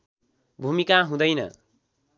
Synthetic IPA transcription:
bʱumikaɦũd̪ʌjnʌ̰

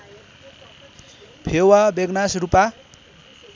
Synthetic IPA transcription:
pʰewabeɡnasɾupa

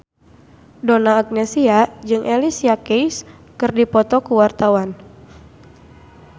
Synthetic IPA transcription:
donaːk̚nesiad͡ʒɨŋʔelisiakejs | kɨrdipɔt̪ɔkuwart̪awan

